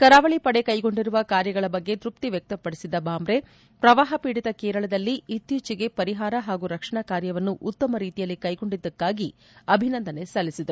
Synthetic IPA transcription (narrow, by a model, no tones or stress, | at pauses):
kɐɾaːʋɐɭipɐɽekɐjɡo̞ɳɖiɾuʋɐkaːɾjɐɡɐɭɐbɐɡːe̞d̪ɾupt̪iʋjɐk̚t̪ɐpːɐɽisid̪ːɐbaːmbɾe̞ | pɾɐʋaːɦɐpiːɽit̪ɐkɛːɾɐɭɐd̪ɐlːiit̪jut͡ʃiɡe̞pɐɾiɦaːɾɐɦaːɡuɾɐkʂɐɳɐkaːɾjɐʋɐnːuʔut̪ːɐmɐɾiːt̪ijɐlːikɐjɡo̞ɳɖid̪ːɐkːaːɡi | ɐbʱinɐnd̪ɐne̞sɐlːisid̪ɐɾ